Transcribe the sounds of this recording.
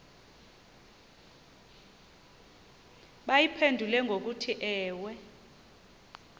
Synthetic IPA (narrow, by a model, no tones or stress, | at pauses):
ɓajipʰendʱulɛŋɡʱok̬utʰiʔɛːwɛ